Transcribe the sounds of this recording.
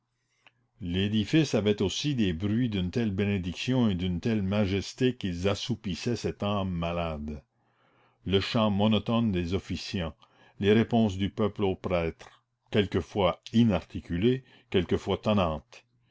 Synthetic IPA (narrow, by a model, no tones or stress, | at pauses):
led̪ifisavɛt̪osid̪ebʁɥid̪ynt̪ɛlbened̪iksjɔ̃ed̪ynt̪ɛlmaʒɛst̪ekilzasupisɛsɛt̪aːmːalad̪ | ləʃɑ̃mɔnɔt̪ɔnd̪ezɔfisjɑ̃ | leʁepɔ̃s̬d̪ypœplopɾɛːt̪ɾ | kʲɛlkəfwainaʁt̪ʰikʲyle | kʲɛlkəfwat̪anɑ̃ːt̪